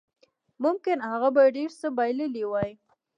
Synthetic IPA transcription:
mʊmkɪnhaɣabajɖeɾsəbajləliwaj

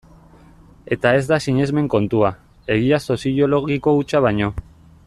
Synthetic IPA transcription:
e̞t̪ae̞zd̪asiɲe̞zme̞ŋko̞nt̪ua | e̞ɣiaso̞sio̞lo̞ɣiko̞ut͡ʃaβ̞aɲo̞

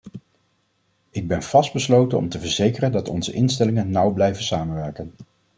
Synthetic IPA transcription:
ɪɡ̚bɛnv̥ɑsd̚bəslowtənɔ̰mtəvəɹzejkərəndɑtɔ̰nzəʔɪnstɛlɪŋənːʌwblɛjvənsaːmənʋɛɹkən

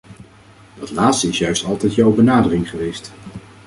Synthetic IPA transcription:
d̥ɑtlaːtstəɪsjœɥstɑlˠtɛjtjɔwbənaːdərɪŋχəʋejst

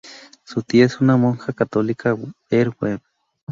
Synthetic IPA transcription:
sut̪iesunamoŋxakat̪olikaeɾweɾ

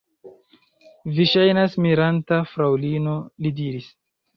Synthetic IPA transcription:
viʃajnasmiɾantafɾawlino̞lidiɾis

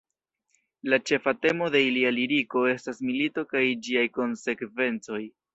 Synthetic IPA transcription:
lat͡ʃe̞fate̞mo̞de̞ilialiɾiko̞e̞stasmilito̞kajd͡ʒiajko̞nse̞kve̞nt͡so̞j

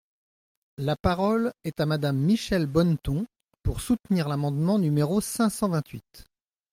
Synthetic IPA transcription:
lapaʁɔlɛt̪amad̪amːiʃɛlbɔnt̪ɔ̃ | puʁsut̪niʁlamɑ̃d̪mɑ̃nymeʁosɛ̃sɑ̃vɛ̃t̪ɥit̪

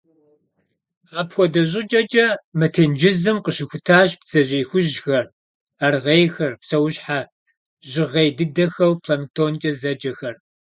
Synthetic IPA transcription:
aːpxʷɔdɐʑʼɪd͡ʒʼɐd͡ʒʼɐmɐtʰeːnd͡ʒɪzɨmqəɕɪxʷʊtʰaːʒp̚t͡sʰɐʑʼiːxʷʊʒxɐr | arʁejxɐrpsɐwʊɕħa | ʑɪʁejdɨdɐxɐwpʰlɐntʰoːnt͡ʃʼɐzɐd͡ʒɐxɐr

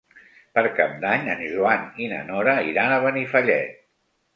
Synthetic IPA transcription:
pəɾkapd̪aɲənʲʒuaninə̰nɔɾəiɾanəβənifəʎɛ̰t̪̚

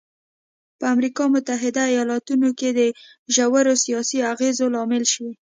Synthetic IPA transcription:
pəamɾikɑmʊt̪aɦɪd̪aːjɑlɑt̪unoked̪ə | ʒawaɾosijɑsiaɣezolɑmɪlʃəwi

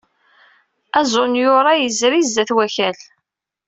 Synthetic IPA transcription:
æzˤʊnjʊɾˤɑjəzɾizːæθwæçæl

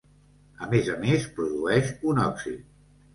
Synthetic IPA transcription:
əmezəmespɾuðuɛʃunɔksit̪

